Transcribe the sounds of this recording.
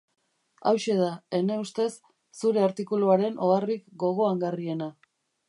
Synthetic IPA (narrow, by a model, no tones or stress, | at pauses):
a̰wʃe̞ð̞ae̞ne̞ust̪e̞sː | uɾe̞aɾt̪ikuluaɾe̞nʔo̞arikɡo̞ɣ̞o̞aŋɡarie̞na